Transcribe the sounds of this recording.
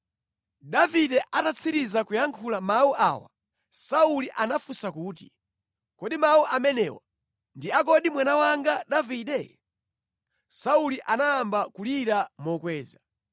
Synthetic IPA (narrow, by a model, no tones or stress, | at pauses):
ɗaviɗɛʔatat͡sʰiɾizakujaŋkʰulamauʔa̰ːwa̰ | sauliʔanafusakuːtḭ | kɔɗimauʔamɛnɛ̰ːwa̰ | ndiak̬ɔɗimwanawaŋɡaɗaviɗɛ | sauliʔanaambakuliɾamɔkwɛːza